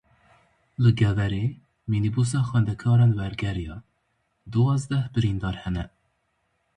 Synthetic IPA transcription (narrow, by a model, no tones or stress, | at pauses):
lɨɡɛvɛɾe | minibus̬ɑːxwɛnd̪ɛkʰɑːɾɑnwɛɾɡɛɾijɑ | d̪uɑːzd̪ɛhbɨɾind̪ɑːɾhɛnɛ